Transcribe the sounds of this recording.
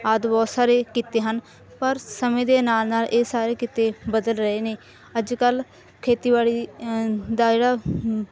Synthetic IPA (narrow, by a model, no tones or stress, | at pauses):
aːd̪bɔːsaːɾeːkit̪eːɦən | pəɾsəmẽːd̪eːnaːlnaːlʔeːsaːɾeːkɪt̪eːbəd̪əlɾəeːneː | əd͡ʒkəl | kʰeːt̪iːbaːɽiː | d̪aːd͡ʒeːɽaː